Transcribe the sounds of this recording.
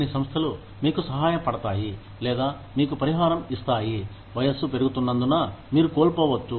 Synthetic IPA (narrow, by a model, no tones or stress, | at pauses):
ɐnisɐmst̪ʰɐlu | miːkusɐɦaːjɐpɐɽɐt̪aːji | lɛːd̪aː | miːkupɐɾiɦaːɾɐmist̪aːji | ʋɐjɐsːupe̞ɾuɡut̪unːɐnd̪unamiːɾukoːlpɔːʋɐt͡ʃːu